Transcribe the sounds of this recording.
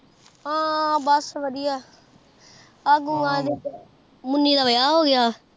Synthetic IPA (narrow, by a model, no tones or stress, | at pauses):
ãːbəsʋəɽɪjaː | aːɡũːãːd̪eː | mʊnːiːd̪aːʋəjaːɦoːɡɪjaː